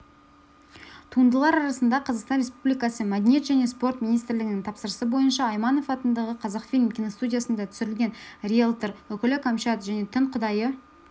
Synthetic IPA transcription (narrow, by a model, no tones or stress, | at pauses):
t̪ʰuənd̪əlˠɑɾɑɾɑsənd̪ɑqʰɑzɑqst̪ɑnre̞spublijkɑsəmæd̪enʲje̞t̪ʒæne̞spo̞rt̪mʲinijst̪ɾlɪɡʲɪnɪŋt̪ʰɑpsəɾəsəbo̞jənʃɑːjmɑno̞fɑt̪ənd̪ɑʁəqʰɑzɑqfilmkʲʰino̞st̪udʲijasənd̪ɑt̪ʰʏ̥sɪɾɪlɡʲe̞nrʲielˠt̪əɾwɵkʲɪlɪkʰomʃat̪ʒæne̞t̪ʰʏɴqʰʊd̪ɑjə